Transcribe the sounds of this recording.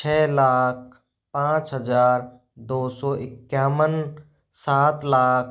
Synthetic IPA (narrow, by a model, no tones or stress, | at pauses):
t͡ʃʰɛːlaːk̚ʰ | pãːt͡ʃɦəd͡ʒaːɾ | d̪oːsɔːʔɪkːjaːmən | saːt̪laːk̚